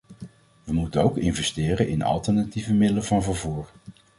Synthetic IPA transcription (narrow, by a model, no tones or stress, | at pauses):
ʋəmutənowkɪnvɛstɪːrənɪnɑ̰lˠtəɹnativəmɪdələvɑnvəɹvuːɹ